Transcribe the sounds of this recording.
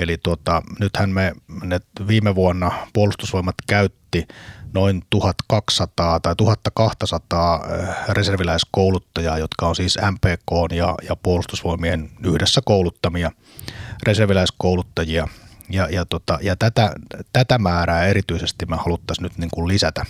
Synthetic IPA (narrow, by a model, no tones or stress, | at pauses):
elit̪uot̪ɑnyt̪hænmenet̪ʋiːmeʋuonːɑpuolust̪usʋoimɑt̪kæyt̪ːinoint̪uhɑt̪kɑksɑt̪ɑːt̪ɑit̪uhɑt̪ːɑkɑht̪ɑsɑt̪ɑːreserʋilæiskoˑulut̪ːɑjɑːjot̪kɑonsiːsæmpeːkoːnjɑ̰jɑpuolust̪usʋoimienyhdesːækoˑulut̪ːɑmiɑ | reserʋilæiskoˑulut̪ːɑjiɑjɑjɑt̪ot̪ɑjɑt̪æt̪æt̪æt̪æmæːræːeɾit̪yisest̪imehɑlut̪ːɑsnyt̪niːŋkullisæt̪æ